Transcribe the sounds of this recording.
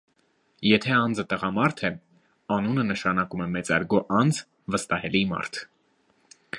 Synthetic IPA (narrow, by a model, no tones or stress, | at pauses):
jɛt̪ʰɛɑnd͡zət̪əʁɑmɑɾt̪ʰɛ | ɑnunənəʃɑnɑkumɛmɛt͡sɑ̰ɾɡɔʔɑnd͡z | vəst̪ɑhɛlimɑ̰ɾt̪ʰ